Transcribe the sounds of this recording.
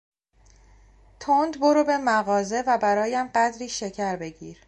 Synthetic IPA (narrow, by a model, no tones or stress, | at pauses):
t̪ʰond̪boɾobe̞mæɣɒːze̞væbæɾɒːjæmɢæd̪ɾiːʃe̞cʰæɾbe̞ɟiːɾ